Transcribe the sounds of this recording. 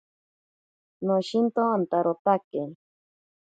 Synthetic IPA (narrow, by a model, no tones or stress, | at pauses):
noʃint̪oant̪aɾot̪ake